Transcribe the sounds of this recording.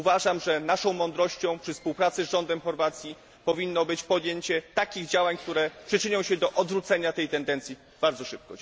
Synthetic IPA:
uvaʐamʐɛnaʂɔ̃w̃mɔnd̪ɾɔɕt͡ɕɔ̃w̃pʂɘfspuwpɾat̪sɘzʐɔnd̪ɛmxɔɾvat̪sʲji | pɔvʲinːɔbɘt͡ɕpɔd̪ʲjeɲt͡ɕɛt̪akʲiɣd͡ʑawaɲk̚t̪uɾɛpʂɘt͡ʂɘɲɔ̃w̃ɕɛd̪ɔʔɔd̪vɾut̪sɛɲat̪ɛjt̪ɛnd̪ɛnt̪sʲi | b̥aɾd̪zɔʂɘp̚kɔ

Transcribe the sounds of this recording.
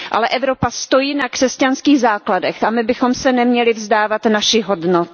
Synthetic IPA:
ʔa̰lɛʔɛvɾo̞past̪o̞jinakr̥ɛscanskiːɣzaːkladɛxamɪbɪxo̞msɛnɛmɲɛlɪvzdaːvat̪naʃɪɦo̞dnot̪

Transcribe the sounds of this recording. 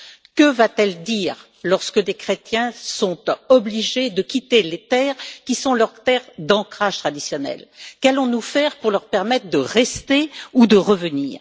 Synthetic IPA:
kəvat̪ɛld̪iːʁ | lɔʁskəd̪ekχet̪jɛ̃sɔ̃t̪ɔbliʒed̪əkʲit̪elet̪ɛːʁkʲisɔ̃ləʁt̪ɛʁd̪ɑ̃kχaʒ̥t̪χad̪isjɔnɛ̰lkalɔ̃nufɛʁpuʁlœʁpɛʁmɛt̪χd̪əʁɛst̪eud̪əʁəvənḭːʁ

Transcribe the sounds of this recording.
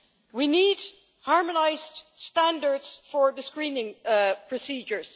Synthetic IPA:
winiːd | hɑɹmənaɪzdstæ̃ndəɹdzfəɹðəskɹĩːnɪ̃ŋpʰɹ̥ɔsiːd͡ʒə˞z̥

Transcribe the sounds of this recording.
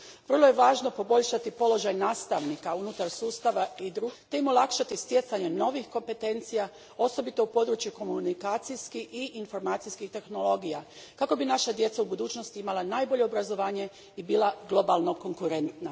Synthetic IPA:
ʋər̩lˠo̞je̞ʋaːʒno̞po̞bo̞ʎʃat̪ipo̞lˠo̞ʒajnaːst̪aʋnikaunut̪aɾsuːst̪aʋaid̪ɾuɡt̪e̞imo̞lˠakʃat̪ist̪je̞t̪saɲe̞no̞ʋixko̞mpe̞t̪e̞nt̪sija | o̞so̞bit̪o̞upo̞d̪ɾut͡ʃjuko̞munikaːt̪sijskiiʔinfo̞ɾmaːt̪sijskixt̪e̞xno̞lˠo̞ɡija | kako̞binaʃad̪je̞t̪saubud̪uːt͡ʃnost̪iimalˠanaːjbo̞ʎe̞obɾazo̞ʋaːɲe̞ | ibiːlˠaɡlˠo̞balˠno̞ko̞ŋkuɾe̞nt̪na

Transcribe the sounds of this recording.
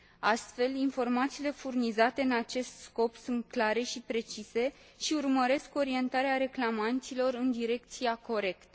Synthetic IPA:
ast̪fe̞linfo̞rmat̪siːle̞furnizat̪e̞ɨnat͡ʃe̞st̪sko̞psunt̪̚klaɾe̞ʃipɾe̞t͡ʃise̞ | ʃiurməɾe̞sko̞ɾie̞nt̪aɾeaɾe̞klamant̪silo̞ɾɨnd̪iɾe̞k̚t̪siako̞ɾe̞kt̪ə

